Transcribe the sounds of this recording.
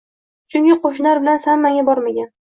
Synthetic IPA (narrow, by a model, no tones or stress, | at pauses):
t͡ʃʰʊŋkʲɪqʰoʃ̬ɪnlaɾbɪlansanmːaŋabɒɾmaɡʲan